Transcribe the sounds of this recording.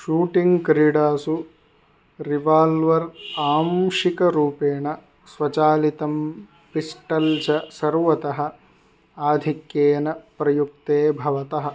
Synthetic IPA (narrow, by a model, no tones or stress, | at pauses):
ʃuːʈiŋɡkɾiɖaːsu | ɾiʋaːlʋɐɾaːmʃikɐɾuːpeːɳɐ | sʋɐt͡ʃaːlit̪ɐm | pisʈɐlt͡ʃɐsɐɾʋɐt̪ɐɦɐ̆ | aːd̪ʱikjeːnɐpɾɐjuk̚t̪eːbʱɐʋɐt̪ɐɦɐ